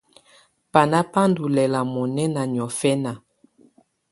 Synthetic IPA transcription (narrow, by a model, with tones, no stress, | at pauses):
pa˨na˦pa˦ndu˨lɛ˨la˨mɔ˨nɛ˦na˨ɲ˨ɔ˨fɛ˦na˨